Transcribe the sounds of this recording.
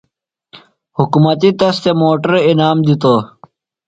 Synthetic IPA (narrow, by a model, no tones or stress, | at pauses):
hukumɐt̪it̪ɐst̪emoːʈɐɾinaːmd̪it̪o